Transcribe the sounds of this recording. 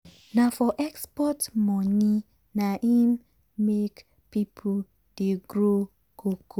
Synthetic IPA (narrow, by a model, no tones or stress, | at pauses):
nafɔʔɛkspɔtmɔni | naʔim | mek | pipʰo | d̥eɡɾo | koko